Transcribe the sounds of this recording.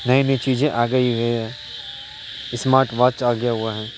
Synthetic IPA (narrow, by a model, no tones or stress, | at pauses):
nɐĩnɐit͡ʃiːd͡ʒẽʔaːɡəiɦɛɦɛ̃ː | ɪsmaːɾʈʋaːt͡ʃaːɡɪjaɦʊaɦɛ̃ː